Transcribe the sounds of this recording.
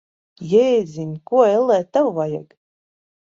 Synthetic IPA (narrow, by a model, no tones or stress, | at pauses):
jɛzʲinʲkuɔɛlˠɛːt̪ːawvaja̰ɡ